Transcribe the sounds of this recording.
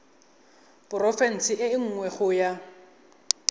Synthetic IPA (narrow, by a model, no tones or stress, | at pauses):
pʊrɔfɛn̩sɪʔɪɪŋ̩ŋwɛχʊja